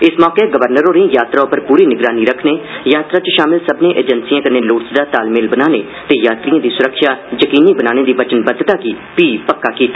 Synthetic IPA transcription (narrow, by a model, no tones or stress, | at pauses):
ɪsmɔːkeːɡəʋəɾnəɾoːɾẽːjaːt̪ɾaːʊpəɾpuːɾiːnɪɡɾaːniːɾəkʰneːjaːt̪ɾaːt͡ʃʃaːmɪlsəbnẽːʔḛːd͡ʒənsijãːkəneːloːʈsd̪aːt̪aːlmeːlbənaːnḛː | t̪eːjaːt̪ɾijãːd̪iːsʊɾəkʃaːd͡ʒəkiːniːbənaːneːd̪iːbət͡ʃənbəd̪t̪aːkiː | piːpəkːaːkiːt̪ḁː